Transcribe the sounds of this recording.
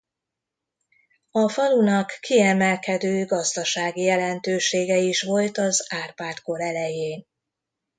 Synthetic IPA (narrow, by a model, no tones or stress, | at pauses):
ɒfɒlunɒkːiɛmɛlkɛd̪øːɡɒzd̪ɒʃaːɡijɛlɛnt̪øːʃeːɡɛiʃʋo̞lt̪ɒzaːrpaːt̪ko̞ɾɛlɛjeːn